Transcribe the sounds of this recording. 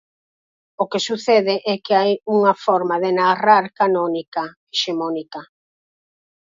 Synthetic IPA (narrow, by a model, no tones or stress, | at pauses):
okesuθɛðɪʔɛkɪajuŋafɔɾmaðenaraɾkanɔnika | eʃemɔnika